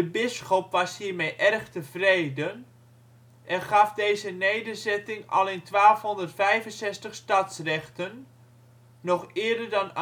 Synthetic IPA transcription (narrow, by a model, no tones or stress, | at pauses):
dəbɪsxopʋɑshiːrmejʔɛrχtəv̥rejdən | ʔɛnχɑfdejzənejdərzɛtɪŋɑ̰lˠɪntʋaːlˠfɦɔndərtfɛjvənsɛstəχstɑtsrɛχtənː | ɔχɪːdərdɑn